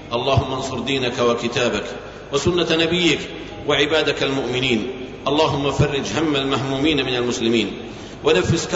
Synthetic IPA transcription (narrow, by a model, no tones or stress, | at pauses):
ʔɑlˤːɑːhʊmːansˤʊɾˤd̪iːnakawakɪt̪aːbak | wasʊnːanabɪjːɪk | waʕɪbaːd̪ɪkalmʊʔmɪniːn | ʔɑlˤːɑːɦʊmːafɑrˤːɪd͡ʒɦamːalmaɦmuːmiːnmɪnalmʊslɪmiːn | wanafːɪsk